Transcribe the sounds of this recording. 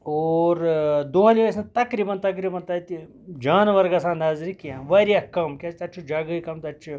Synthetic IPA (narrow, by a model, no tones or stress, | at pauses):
oːɾd̪oːɦɐliʋɐsɐt̪ɐkɾibɐnt̪ɐk̬ɾibɐnt̪ɐt̪i | d͡ʒaːnʋɐɾɡɐsãːnd̪aːzɾikiãʋɐɾijɐkɐmkʲɐst̪ɐt͡ʃʰud͡ʒɐɡɐikɐmt̪ɐt͡ʃʰi